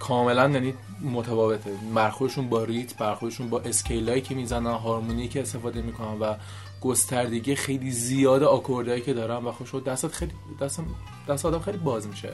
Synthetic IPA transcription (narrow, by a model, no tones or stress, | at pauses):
kʰɒːme̞lænjæniː | mot̪ʰæfɒːve̞t̪ʰemæɾxoɾd̪eʃuːnbɒːɾit̪ʰbæɾxoɾd̪eʃuːnbɒːʔe̞scʰejlɒːicʰe̞miːzænænɦɒːɾmuniicʰeːst̪e̞fɒːd̪e̞miːkʰonænvæ | ɡ̥o̞st̪æɾd̪e̞ɟiːexe̞jlizijɒːd̪eɒkʰoɾd̪ɒːjicʰe̞d̪ɒːɾænvæxoʃod̪æst̪æt̪xejlid̪æst̪æm | d̪æst̪ɛɒːd̪æmxejlibɒːzmiʃḛ